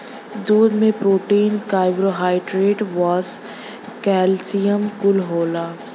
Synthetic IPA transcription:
d̪uːd̪mẽpɾoːʈiːnkaːɪbɾoɦaːɪɖɾeːɖʋɔːz | kɛːlsijəmkʊlɦoːlaː

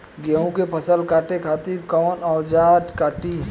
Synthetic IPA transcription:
ɡeːõkepʰəsəlkaːʈekʰaːt̪iɾkɔːnɔːɾd͡ʒaːʈkaːʈi

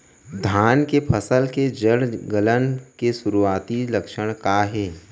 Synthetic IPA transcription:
d̪ʱaːnkepʰəsəlked͡ʒəɽɡələnkesʊɾuaːt̪ilɐkʃəɽ̃kaɦɛː

